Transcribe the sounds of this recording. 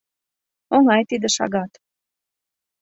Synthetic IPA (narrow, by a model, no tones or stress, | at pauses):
oŋɑjt̪id̪ə̆ʃɑ̰ɣɑt̪